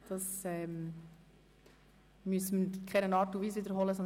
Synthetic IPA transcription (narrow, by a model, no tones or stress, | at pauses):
d̥ɑsɛːm | myəsəməkʰɛnənɑːtuʋiːsʋiːdəɾɦɔləsɔn